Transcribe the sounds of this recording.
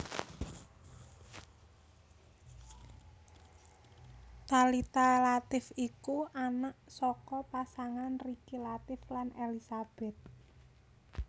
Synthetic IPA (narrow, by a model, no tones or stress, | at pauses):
t̪alit̪alat̪ɪfikuʔanaʔsɔkɔpasaŋanrikilat̪ɪflanelisab̥ɛt̪̚